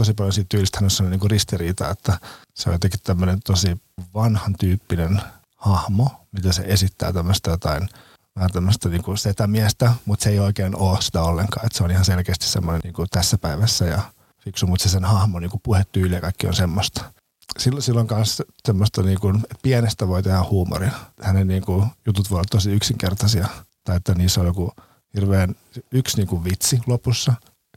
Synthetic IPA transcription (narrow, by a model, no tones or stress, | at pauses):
t̪osipɑljonsiːt̪t̪ːyːlist̪hænosɑmːniːŋkurist̪iriːt̪ɑet̪ːæseo̰jot̪ɑkit̪t̪æmːønent̪osiʋɑnhɑnt̪yːpːinen | hɑhmomit̪æsḛʔesit̪ːæ̰ːt̪æmːøst̪ɑjot̪ɑin | æhænt̪æmːøst̪ɑniːŋkuset̪æmiæst̪æmut̪seeioikeːnoːsi̥t̪æolːeŋkɑ̰ːet̪seonihɑnselkeːst̪i̥ssḛmːoneniːŋkut̪æsːæpæiʋæsːæjɑ | fiksumut̪sesenhɑhmoniːŋkupuhet̪ːyːlijɑkɑikːio̰nsemːost̪ɑ̥ | silsilːoŋkɑnssemːost̪ɑniːŋkunet̪piænest̪æʋoit̪ehæhuːmo̰rinhænenniːŋkujut̪ut̪ʋojoʋɑt̪t̪ːosiyksiŋkert̪ɑsiɑt̪ɑiet̪ːæniːsːojoku | hirʋeːn | yksniːŋkuʋʋit̪silopusːɑ